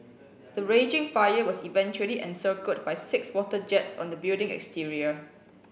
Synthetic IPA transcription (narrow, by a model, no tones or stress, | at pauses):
dəɹẽd͡ʒɪ̃ŋfajəwɔsivɛ̃nt͡ʃuəliʔɛ̰̃nsəkət̚bajsɪkswɔtəd͡ʒɛtsɔ̰̃ndəbildɪ̃ŋɛ̰kstiɹiə